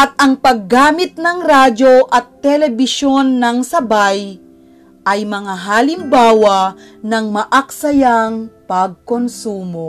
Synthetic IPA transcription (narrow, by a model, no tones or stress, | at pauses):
ʔɐt̪̚ɐŋpɐɡːaːmɪt̪̚nɐŋɾaːd͡ʒo̞ʔɐt̪ːɛlɛbɪʃo̞nːɐŋsɐbaj | ʔɐjmɐŋaɦalɪmbaːwa | nɐŋmɐʔɐk̚sɐjaŋpɐɡ̚konsuːmo